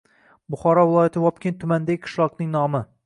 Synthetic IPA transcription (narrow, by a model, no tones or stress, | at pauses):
bʊχɒɾɒvɪlˠɒjat̪ʰɪwɒp̚kʲent̪ʰʊmand̪aɡʲɪkʰɨ̥ʃlˠɑqnɪŋnɒmɪ